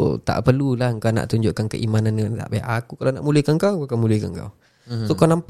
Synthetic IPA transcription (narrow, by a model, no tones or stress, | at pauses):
t̪a̰ʔpərlulahŋkawna̰ʔt̪uɲd͡ʒʊʔkankə̰ʔimananat̪a̰ʔbaja̰ʔakukalawna̰ʔmulihkaŋkawkamulihkaŋka̰w | sokawnamp